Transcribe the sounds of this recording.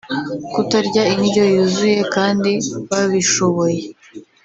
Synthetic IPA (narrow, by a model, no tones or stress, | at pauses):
kutaɾɟainijo̞juzuje̞kaːndiβaβiʃo̞βo̞je̞